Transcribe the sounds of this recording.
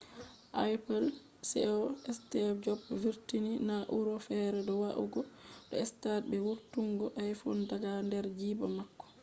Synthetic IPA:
ʔajpɛl | sɛ̰ɔɛstɛd͡ʒɔbviɾtininaʔuɾɔfɛɾɛdɔwaʔṵɡɔdɔɛstad̚bɛwuɾtuŋɡɔʔajfundaɡandɛɾd͡ʒiːbamakːɔ̥

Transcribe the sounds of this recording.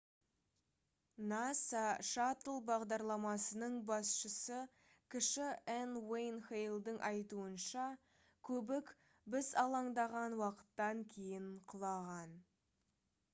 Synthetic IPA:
nɑsɑʃɑt̪əlˠbɑʁd̪ɑɾlˠɑmɑsənəɴbɑsʃəsə | kʲʰɪʃɪenwejnxejlˠd̪əɴʔɑjt̪uənʃɑ | kʲʰɵbɪk | bɪzɑlˠɑɴd̪ɑʁɑnwɑqə̥t̪ːɑŋkʲʰe̞jɪɴqʰʊlˠɑʁɑn

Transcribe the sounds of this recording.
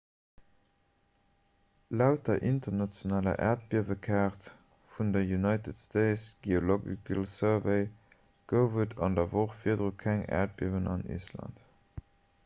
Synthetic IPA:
læʊt̚ːɐʔintɐnɑt͡sjonaːlɐ̰ʔæ̰ːɐt̚b̥iɐvəkʰaːʁt | fundɐjunɑɪtətstʰeɪsɡ̥eoloɡḭkʰəlsəveɪ | ɡ̥əʊvətʰɑndɐvoχfiːɐdʁukʰæŋæ̰ːɐt̚b̥iɐvənɑnḭslɑ̰nt

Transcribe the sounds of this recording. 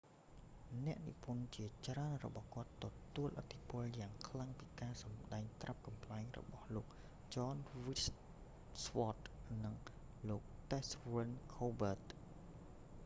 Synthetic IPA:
nɛ̆əʔnḭpunt͡ɕiət͡ɕraənrɔ̰ɓɑhkŏət̪ːɔt̪uəlʔət̪ʰːipʊ̆əljaːŋkʰlaŋpiːkaːsɑmɗaɛŋt̪rʔap̚kɑmpʰlaɛŋrɔ̰ɓɑhloːk̚ | t͡ɕɑːnʋis | swɔt̪̚nɨŋ | loːk̚t̪ɛsʋənkʰoːbəːt̪̚

